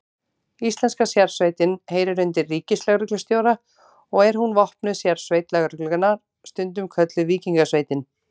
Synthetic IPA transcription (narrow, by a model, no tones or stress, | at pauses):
ist̪lɛnskasjaɾ̥sveːjt̪ɪnheːjɾɪɾʏnt̪ɪrːiːcɪslɛɣɾʏklʏst̪joːwɾa | ɔɣɛɾ̥ɦunvɔhpnʏsjaɾ̥sveːjt̪lɛɣɾʏklʏkʏnaɾ̥ | st̪ʏnt̪ʏmkʰvœt̪lʏviːciŋkasveːjt̪ɪn